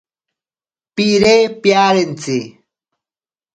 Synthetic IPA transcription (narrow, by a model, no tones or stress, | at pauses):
piɾepjaɾent͡si